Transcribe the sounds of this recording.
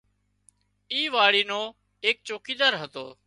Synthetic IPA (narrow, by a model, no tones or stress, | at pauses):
iːʋaːɽiːnoː | eːk̚t͡ʃoːkiːd̪əɾɦət̪o̰ː